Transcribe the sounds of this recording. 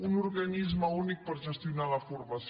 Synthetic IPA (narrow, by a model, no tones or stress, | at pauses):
unuɾɣanizmɐunik̚pəɾd͡ʒəst̪inalafuɾmas